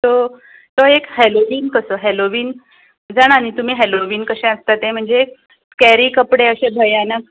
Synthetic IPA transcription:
t̪o | t̪oekheloʋiːnkəsəɦeloʋiːn | d͡zaɽ̃añit̪um̤iːɦeloʋiːnkəɕẽəst̪at̪ẽm̤əɳd͡ze | kæɾiːkəpɽeəɕẽbʱəjana

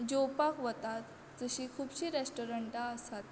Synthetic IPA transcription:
d͡ʑopakʋət̪at̪ | d͡zəɕiːkʰuːbɕiːɾesʈoɾəɳʈaəsat̪̚

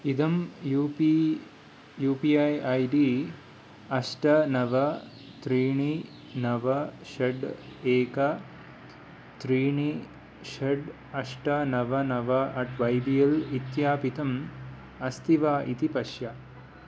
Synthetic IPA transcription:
id̪ɐmjupi | juːpiɐjɐjɖiː | ɐʂʈɐnɐʋɐ | t̪ɾiːɳi | nɐʋɐʃɐɖeːkɐ | t̪ɾiːɳi | ʃɐɖ | ɐʂʈɐnɐʋɐnɐʋɐɐʈʋɐjbijɐlit̪jaːpit̪ɐm | ɐst̪iʋaːʔit̪ipɐʃjɐ

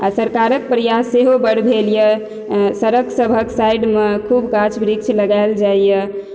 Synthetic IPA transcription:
asəɾkaɾək̚pɾəjaseɦobəɽbʱeljə | səɾəksəbʱəksajɖmekʰubkat͡ʃʰbɾik̚t͡ʃʰləɡaɪld͡ʒaijə

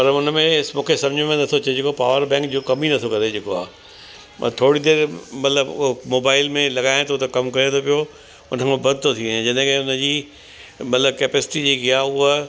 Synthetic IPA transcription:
pɐɾʊnəmẽɪsmũːkʰesɐ̃md͡ʑemẽnɐt̪ʰot͡ɕed͡ʑeːkopaːʋəɾbɛ̃ːŋkd͡ʑoːkɐminɐt̪ʰokɐɾed͡ʑeːkoa̰ː | ɐ̰t̪ʰoːɽid̪eːɾmɐt̪ləbmoːbaːɪlmẽlɐɡaːɪ̃t̪ʰot̪ɐkɐmkɐɾet̪ʰopijo | ʊnəkãbɐd̪̚ʱt̪ʰot̪ʰĩẽd͡ʑɐɗ̃keɦẽʊnəd͡ʑiː | mɐt̪ləbkɛːpeːsɪ̥ʈid͡ʑeːkiaːʊɦə

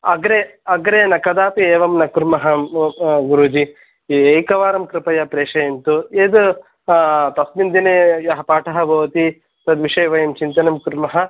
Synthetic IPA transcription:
ɐɡɾeɐɡɾeːnɐkɐd̪aːpieːʋɐmnɐkuɾmɐɦɐ | ɡuɾud͡ʒi | ejkɐʋaːɾɐmkɾɪpɐjɐpɾeːʂɐjɐnt̪ueːd̪u | t̪ɐsmind̪ineːjɐɦɐpaːʈʰɐɦɐbʱɐʋɐt̪i | t̪ɐd̪ʋiʂɐjʋɐjɐmt͡ʃint̪ɐnɐmkuɾmɐɦɐ

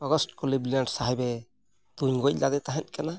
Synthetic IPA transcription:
ɔɡɔsʈkɔlibliaɳɖsaɦɛbɛ | d̪̥uɲɡɔc̚ˀlad̪ɛt̪aɦɛt̪̚kana

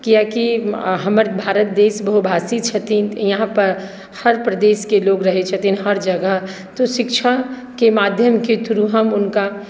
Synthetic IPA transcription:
kijakiɦɐməɾbʱaːɾət̪̚d̪eːʃbəɦubʱaːsit͡ʃʰɐt̪iːnjɐɦãpɐɾ | hɐɾpɾɐd̪eːskeloːɡɾɐɦet͡ʃʰɐt̪inɦɐɾd͡ʒɐɡəɦ | t̪oʃɪkʃʰa | kemaːd̪ʱjəmket̪ʊɾuɦəmʊnka

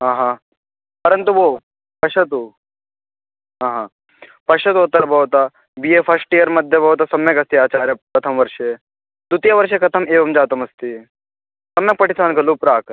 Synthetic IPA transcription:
ɦãːɦã | pɐɾənt̪uʋo | pɐʂɐt̪u | ɦãːɦã | pɐʃɐt̪ɦot̪ɐɾbɐɦut̪a | bijefʰɐsʈijəɾmɐd̪ʱjɐbɐɦut̪ɐsɐmjɐkɐst̪iaːt͡ɕaːɾjɐpɐt̪ʰɐmʋɐɾʂe | d̪ut̪jaʋɐɾʃekʰɐt̪ʰəmeːʋɐmd͡ʑaːt̪ɐmɐst̪i | sɐmjɐk̚pɐʈʰisaːnkɐlupɾaːk

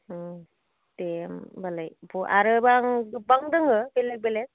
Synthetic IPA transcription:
tembalajbʰuʔaɾɯbaŋbaŋdɯŋɯbelek̚belet̚

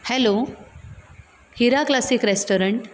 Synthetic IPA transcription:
hɛlo | hiɾaklasikɾesʈɔɾəɳʈ

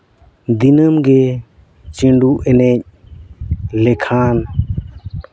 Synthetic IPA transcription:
d̪inəmɡɛ | t͡ʃiɳɖuʔɛnɛc̚ | lɛkʰan

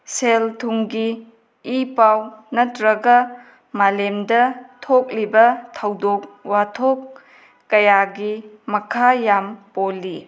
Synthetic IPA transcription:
seltʰuŋɡiː | pawnɐtɾɐɡɐ | malemdɐtʰok̚libɐtʰɐwdok̚watʰokː | ɐjaɡi | mɐkʰajampolːi

